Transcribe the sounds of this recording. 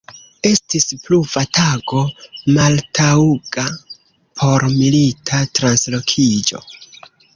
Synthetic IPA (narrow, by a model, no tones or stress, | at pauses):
e̞stispluvatʰaɡo̞maltʰauɡa | pʰo̞ɾmilitʰatɾanslo̞kʰid͡ʒo̞̰